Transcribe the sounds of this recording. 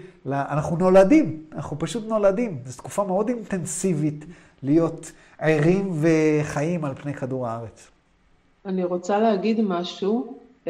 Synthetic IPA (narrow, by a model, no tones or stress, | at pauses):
laʔanaχnuno̞ladimanaχnupaʃut̪no̞ladimzet̪ku̥fameo̞dint̪e̞nsivit | lijo̞t̪ | ejʁimveχaimalpne̞jkaduʁaaʁet͡s | aniʁot͡saleaɡid̪maʃu